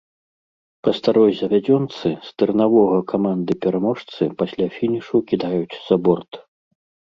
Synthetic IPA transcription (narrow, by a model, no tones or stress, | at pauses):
pɐst̪aɾɔjzʲɐvʲad͡zʲɔnt̪sɨst̪ɨɾɨnavɔɣɐkʰamand̪ɨpʲɛɾamɔʂt̪sɨpasʲlʲafʲinʲiʂukʲid̪ajut͡sʲz̥abɔrt̪